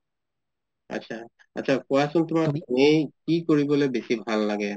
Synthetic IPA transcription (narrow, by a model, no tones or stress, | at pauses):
a̰tːʃʰa | a̰tːʃʰakɔasɔnt̪omadinejkikoɹibolebesibʱallaɡe